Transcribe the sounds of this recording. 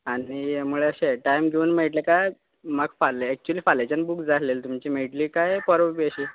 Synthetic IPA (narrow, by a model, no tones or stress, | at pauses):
aɽimuɭeəɕẽʈajmɡʱeuːnmeʈlekaj | məɡfalːeɛk̚t͡ɕualiːfalat͡ɕanbukd͡zat̪lelt̪umt͡ɕiːmeʈliːkajpɔɾobiəɕiː